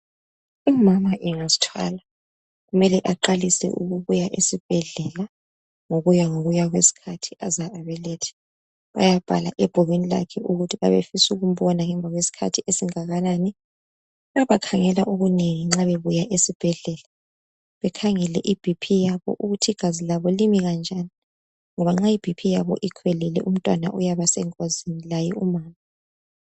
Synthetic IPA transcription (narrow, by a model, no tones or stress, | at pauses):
imamaʔiŋazitʰwa̰la | ɣumɛlɛʔaǃalisɛ̰ʔuɣuβujaʔesib̥ʱɛɮɛla | ŋoɣujaŋoɣujaɣwesi̥kʰatʰi̥azaːβɛleːtʰɛ̥ | βa̰jab̥ʱa̰la̰ʔɛb̥ʱɔɣwenila̰kʰɛʔuɣutʰiβa̰βḛfisuɣum̩βɔnaŋɛɱbvʱaɣwesi̥kʰa̰tʰiʔesiŋaɣananɛ | aβakʰaŋɛlaʔuɣuneŋiŋ͡ǁaβeβujaʔesib̥ʱɛɮɛːla | βɛkʰaŋɛlɛʔib̥ʱipʰijaβɔ̰ʔuɣutʰiɡ̥ʱazilaβɔlimiɣand͡ʒʱani | ŋɔβaŋ͡ǁaib̥ʱipʰijaβɔ̰ʔikʰwɛlɛlɛ̰ʔum̩tʼwana̰ʔujaβasɛŋkʼozinilajɛ̰umaːma